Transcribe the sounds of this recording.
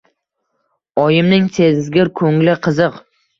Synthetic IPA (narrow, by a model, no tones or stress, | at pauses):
ɒjɪmnɪŋsʰezzɡʲɪɾkʰɵŋlɪqʰɨzɨq